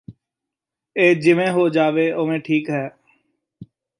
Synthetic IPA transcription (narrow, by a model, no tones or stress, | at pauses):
eːd͡ʒɪmẽːɦoːd͡ʒaːʋeːomẽʈʰiːkɦɛː